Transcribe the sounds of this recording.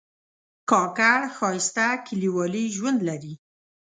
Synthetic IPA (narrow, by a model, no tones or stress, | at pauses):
kɑkaɽxɑɪst̪akʰɪliwɑliʒwand̪laɾi